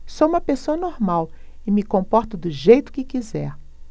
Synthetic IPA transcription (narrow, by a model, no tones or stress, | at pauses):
sowũmɐpesoɐnoɾmaw | ɪmɪkõpɔɾt̪ʊd̪ʊʒejt̪ʊ̥kɪkizɛɾ